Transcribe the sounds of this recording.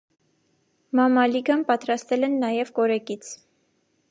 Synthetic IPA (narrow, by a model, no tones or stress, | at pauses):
mɑmɑliɡɑmpɑt̪ɾɑst̪ɛlɛnːɑjɛvkɔɾɛkit͡sʰ